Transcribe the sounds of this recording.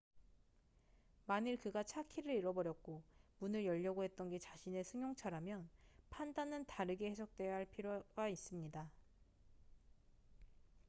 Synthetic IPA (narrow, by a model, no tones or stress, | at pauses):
maɲiɭkɯɡat͡ɕʰakʰiɾɯɾiɾʌbʌɾjʌk̚k͈omunɯɭjʌʎːʌɡoɦe̞t̚t͈ʌnɡe̞t͡ɕaɕʰine̞sʰɯŋjoŋt͡ɕʰaɾamjʌnpʰandanɯntaɾɯɡe̞he̞sʰʌk̚t͈we̞jʌɦaɭpʰiɾjoɡais͈ɯmɲida